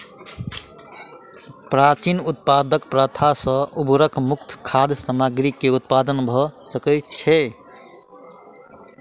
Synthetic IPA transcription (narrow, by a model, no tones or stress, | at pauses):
pɾat͡ʃinut̪̚pad̪əkpɾət̪ʰasə̃ubɾəkʰmuk̚t̪ʰkʰad̪ʱsəmaɡɾikːeut̪̚pad̪ənbʱɔsəkəj̪t͡ʃʰɛ